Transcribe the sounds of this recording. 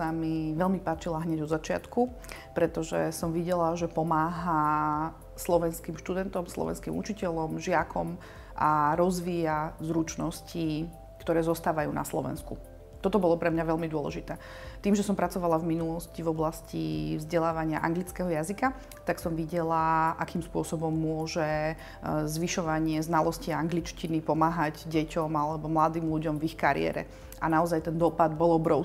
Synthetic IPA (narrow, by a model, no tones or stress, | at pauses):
amiʋɛʎmipaːt͡ʃilaɦɲɛɟɔd̪zat͡ʃɪa̰t̪ku | pɾɛt̪ɔʒɛ̰sɔmʋiɟɛlaʒɛpɔmaːɦa | slɔʋɛnskimʃt̪ud̪ɛnt̪ɔmslˠɔ̰ʋɛ̰nskimṵt͡ʃicɛʎɔmʒɪakʰɔm | ʔaɾɔzʋiːjazɾut͡ʃnɔsci | kt̪ɔɾɛːzɔst̪aːʋajṵːna̰slɔ̰ʋɛ̰nskṵ | t̪ɔt̪ɔbɔlɔpɾɛmɲaʋɛlmid̪ʊɔlɛ̰ʒit̪ɛː | t̪iːmʒɛsɔmpɾat͡sɔʋalavminulɔscivɔblascḭvzɟɛlaːʋaɲɪaʔaŋɡlit͡skɛɦɔjazika | t̪aksɔmʋiɟɛlaʔakiːmspʊɔsɔbɔmːʊɔʒɛ | zʋiʃɔʋaɲɪɛznalɔsciaŋɡlit͡ʃcinipɔmaːɦaɟɟɛcɔmalɛbɔmlad̪iːmluɟɔmvixkaɾɪ̰ɛ̰ɾɛ̰ | ʔanaɔzajt̪ɛnd̪ɔpad̪bɔlˠɔbɾɔʊ